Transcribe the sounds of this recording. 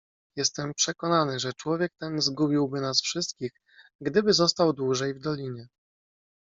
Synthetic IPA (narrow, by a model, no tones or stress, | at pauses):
jɛst̪ɛmpʂɛkɔnanɘʐɛt͡ʂwɔvʲjɛk̚t̪ɛnzɡubʲiwbɘnasfʂɘst̪kʲix | ɡɡd̪ɘbɘzɔst̪awd̪wuʐɛjvd̪ɔlʲiɲɛ